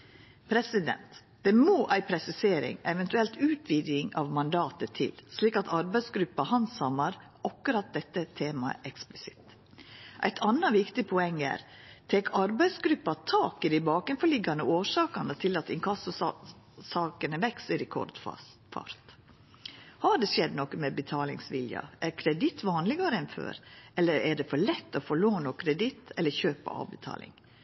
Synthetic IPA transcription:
pʰɾɛsɪd̪ɛ̰nt̪ | d̪̥ɛmoːʔæɪpʰɾɛsɪseːɾɪ̰ŋɛʋɛnt̪ʉɛlt̪ʉːt̪ʰʋiːd̪jɪŋɑ̰ʋmɑnd̪ɑːt̪ət̪ʰɪ̰lsliːkɑt̪ʰɑɾbæɪsɡɾʉpːɑhɑnsɑmɑɾ | ʔɑkːʉɾɑt̪̚d̪ɛt̪ːət̪ʰeːmɑ̰ʔɛksplɪsɪt̪ | ʔæ̰ɪt̪ʰɑnːɑʋɪkt̪ɪpʰɔɛŋːæ̰ːɾ | t̪ʰeːkʰɑɾbæɪsɡɾʉpːɑt̪ʰɑːkɪd̪ɪbɑːkɛnfɔɭɪɡːɑnəoːʂɑːkɑnət̪ʰɪlɑt̪ɪŋkʰɑsʊ | sɑːkənəʋɛksəɾɛkʰɔ̰ɾd̪̥̰ | fɑ̰ɾt̪ | hɑɖɛsɛd̪nɔkːəmɛbət̪ʰɑːlɪ̰ŋsʋɪljɑ̰ʔæɾkʰɾɛd̪ɪt̪ʋɑːnlɪɡɑɾəɛnfø̰ːɾɛlːəɾæɖɛfɔɭɛt̪ːɔfɔɭoːnɔkʰɾɛd̪ɪt̪ːɛlːəçøːpɑ̰ɑ̰ːʋbət̪ʰɑ̰ːlɪ̰ŋ

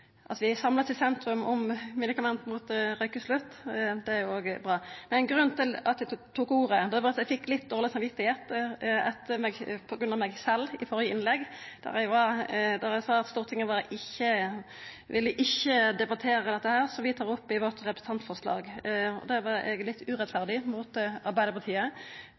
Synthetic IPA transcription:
ʔɑ̰ʋɪsɑmləsɪsɛnt̪ɾʉmɔmmɛd̪ɪkɑmɛnt̪muːt̪ɾœʏkəslʉt̪ːd̪ɛæɾjʊoːɡbʁɑːmɛnɛnɡɾʉnt̪ʰɪlɑt̪̚d̪ɛt̪ʰuːkuːʁəd̪ɛæʋɑɾɑt̪jɛfɪkːlɪt̪̚d̪oːʁlɪsɑmʋɪt̪ːɪheːt̪ɛt̪ʰːəmɛɡpʰɔɡɾʉnɑmɛɡsɛlːɪfɔɾjəɪnlɛɡːd̪̥æ̰ʁæʋɑɾd̪æɾæɡsɑːɑt̪st̪uːʁt̪ʰɪŋːəʋɑɾɪçːə | ʋɪlːəʔɪçːəd̪ɛbɑt̪ʰeːɾəd̪ɛt̪ːəhæːʁsɔʋɪt̪ʰɑːʁɔpːɪʋɔt̪ʁɛpɾəst̪ɑnt̪fɔʁslɑ̰ːɡɔ̰d̪ɛʋɑɾɛ̰ɡlɪt̪ːʉʁɛt̪fæʁd̪ɪmuːt̪ɑʁbæɪd̪əpɑʁt̪ʰiːə

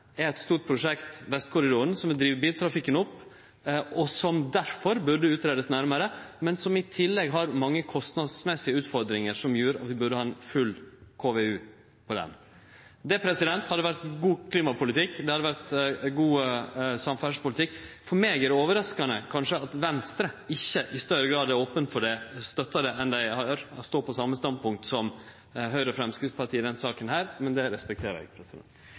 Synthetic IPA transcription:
ɛɾɛt̪st̪uːʈ̚pʰɾʊʂɛkt̪ʋɛst̪̚kʰʊɾɪd̪ɔɾənsɔmʋɪld̪ɾiːʋəbiːlt̪ʰɾɑfɪkːənʊpː | ɔsɔmd̪æɾfɔɾbʉɖəʉːt̪ɾeːd̪əsnæɾməɾəmɛnsɔmɪt̪ʰɪlːɛɡɦɑɾmɑŋːəkʰɔst̪nɑd̪smɛsɪəʉːt̪fɔɾd̪ɾɪŋəɾʂɔmjʉːɾɑ̰t̪ʋɪbʉɖəhɑːɛnfʉlːkʰoːʋɛʉː | pʰɔd̪ɛ̰n | d̪ɛpʰɾɛsɪd̪ɛnt̪hɑd̪əʋæɾt̪ɡuːkʰliːmɑpʊlɪt̪ɪkːd̪ɛhɑd̪ːəʋæɾt̪ɡuːsɑmfæʂpʊlɪt̪ɪkːfɔɾmeːɡæɾɖɛoːʋəɾɑskɑnəkʰɑnʂəɑt̪ʋɛnst̪ɾəɪçːəʔɪst̪œɾəɡɾɑːd̪æɾoːpənt̪fɔɖɛst̪œt̪ːɑd̪ɛɛnd̪æɪhɑɾst̪oːpʰɔsɑmːəst̪ɑnd̪̚pʰʊŋk̚t̪sɔm | ɦœʏɾəɔfɾɛmskɾɪspɑɾʈ̪ʰiːɪd̪ɛnsɑːkənɦæːɾmɛnd̪ɛɾɛspɛk̚t̪ʰeːɾɛ̰ɡpʰɾɛsɪd̪ɛ̰nt̪

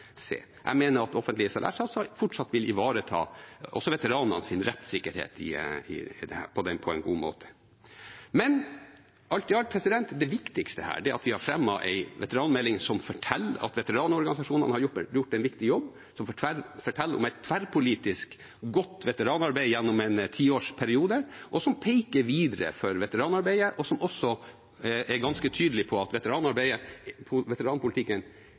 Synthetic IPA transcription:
sḛː | ʔæ̰ɪmeːnəɾɑt̪ɔfənt̪lɪəsɑlʔæ̰ːʂɑsɑfʊʈʂɑt̪ːʋɪlɪʋɑːɾət̪ʰɑ̰ːʔɔ̰sɔʋɛt̪əɾɑːnənsɪnɾɛt̪ːsɪkːəɾhḛːt̪ɪ̰ɪ̰d̪ɛ̰hæ̰ːɾpʰɔd̪ɛnpʰɔɛɪnɡṵːmo̰ːt̪ʰə̥ | mɛn | ʔɑlt̪ɪɑl̚pʰɾɛsɪd̪ɛnt̪d̪ɛʋɪkt̪ɪkst̪əhæ̰ːɖɛæɾɑt̪ʋɪhɑɾfɾɛmːɑʔæ̰ɪʋɛt̪əɾɑːnmɛlːɪŋsɔmfɔʈʰɛlːɑ̰t̪ʋɛt̪əɾɑːnɔɾɡɑnɪsɑʂuːnənəhɑɾjʊʈ̪ɛjʊʈːɛnʋɪkt̪ɪjɔbː | sɔmfɔæfɔʈʰɛlːəɔ̰mæɪt̪t̪ʰːʋæɾpʰʊliːt̪ɪsk | ɡɔt̪ːʋɛt̪əɾɑːnɑɾbæɪjɛnːʊmɛnt̪ʰiːoːʂpʰæɾɪuːd̪əʔɔsɔmpʰeɪkəɾʋiːd̪əɾə̰fɔɾʋɛt̪əɾɑːnɑɾbæɪəʔɔsɔmɔsːɔ | ɛɾɡɑnskət̪ʰyːd̪əlɪpʰɔɑt̪ʋɛt̪əɾɑːnɑɾbæɪəpʰʊʋɛt̪əɾɑːnpʰʊlt̪ʰɪkːən

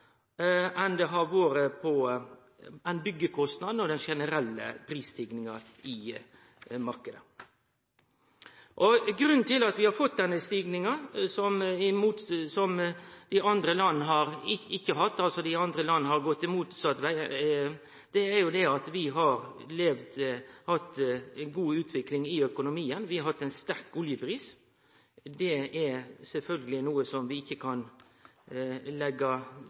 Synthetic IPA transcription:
ʔɛnd̪ɛɦɑɾʋoːɾəpʰɔ | ɛnbʏɡːəkʰɔst̪nɑd̪n̩ɔd̪ɛnʂɛnəɾɛlːə̰pʰɾiːst̪ʰɪɡnɪŋɑ | ɪ | mɑɾkəd̪ə | ʔɔɡɾʉnnt̪ʰɪlɑt̪ʋɪhɑɾfɔt̪̚d̪ɛnːəst̪iːɡnɪŋɑsɔmɪmuːt̪sɔmd̪̥ɪɑnd̪ɾəlɑnːəɦɑɾɪɪçːəɦɑt̪ːɑlsɔd̪ɪɑnd̪ɾəlɑnːəhɑɾɡɔt̪ːɪmuːt̪sɑt̪ʋæɪ | d̪̥ɛæɾjʊd̪ɛɑt̪ʋɪɦɑɾleːʋd̪hɑt̪ːnɡuːʉːt̪ʰʋɪklɪŋɪœkʊnʊmiːənʋɪhɑɾhɑt̪ːɛnst̪æɾkʊljəpʰɾiːs | d̪ɛɛɾsɛlfœlɡəlɪnuːəsɔmʋɪɪçːəkʰɑn | lɛɡːɑ

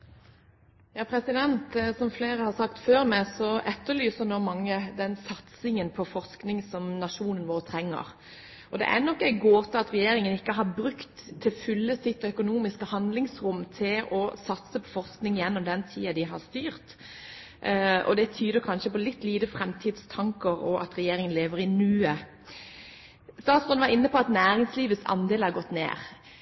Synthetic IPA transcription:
jɑːpʰɾɛsɪd̪ɛnt̪sɔmfleːɾəhɑɾsɑkt̪føːɾmæɪsɔʔɛt̪ːəɾlyːsəɾnoːmɑŋːəd̪ɛnsɑt̪sɪŋənpʰɔfɔɾsknɪŋsɔmnɑʂuːnənʋoːɾət̪ʰɾɛŋːə̰ɾ | ɔd̪ɛ̰ʔænɔkːæɪɡoːt̪ʰɪɑt̪ɾɛjeːɾɪŋənɪkːəɦɑɾbɾʉkt̪ʰːɪlfʏlːəsɪt̪ːœkʊnuːmɪskəhɑnd̪lɪŋsʁʊmt̪ʰɪlɔsɑt̪səpʰɔ̥fɔʁsknɪŋjɛnːɔmd̪ɛnt̪ʰḭːɑd̪ɪɦɑɾst̪yːʁt̪ | ʔɔ̰d̪ɛt̪ʰyːd̪əɾkʰɑnʃəpɔlɪt̪ːliːd̪əfʁɛmt̪ʰiːd̪st̪ʰɑŋkəɾɔʔɑ̰t̪ɾɛjeːɾɪŋənleːʋəɾɪnyːə | st̪ɑːt̪sʁʉnʋɑɾɪnːəpʰɔɑt̪næːɾɪŋsliːʋət̪sɑ̰nd̪eːlhæɾɡɔt̪ːnḛːɾ

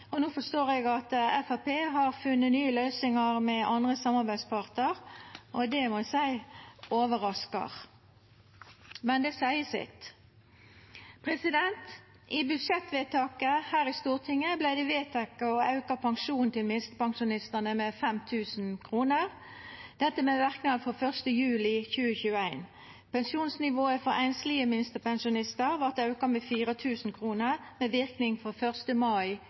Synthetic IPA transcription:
ɔnuːfɔst̪oːʁɛɡɑt̪ɛfɑpeːɦɑɾfʉnːənyːəlœʏsɪŋɑʁmɛʔɑnd̪ʁəsɑmːɑɾbæɪspʰɑʁt̪əʁʔɔd̪ɛmɔsæɪoːʋəʁɑskɑ̰ʁ | mɛnd̪ɛsæɪəsɪ̰t̪ | pʰʁɛsɪd̪ɛnt̪ | ʔɪbʉd̪ʂɛt̪ʋeːt̪ʰɑːkəhæːʁɪst̪uːʁt̪ʰɪŋːəblæɪd̪ɛʋeːt̪ʰɛkɑɔɑʉkɑpʰɑŋʃuːnnt̪ʰɪlmɪnst̪əpɑŋʃʊnɪst̪ənəmɛfɛmt̪ʰʉːsn̩kʰʁuːnəʁ | d̪̥ɛt̪ːəmɛʋæʁknɑd̪fɔfœʁst̪əjʉːlɪçʉːəçʉːəæɪn | pɛnsuːnsnɪʋoːəfɔʁæɪnslɪəmɪnst̪əpɛnʃʊnɪst̪əʁʋɑʁt̪ɑʉkɑmɛfiːʁət̪ʰʉːsn̩kʰʁuːnəʁmeːʋɪʁknɪŋfɔfœʁst̪əmɑɪ

